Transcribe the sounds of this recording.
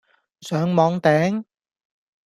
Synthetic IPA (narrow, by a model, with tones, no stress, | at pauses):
sœː˨˥ŋmɔː˨˧˥ŋt̪ɛː˨˥ŋ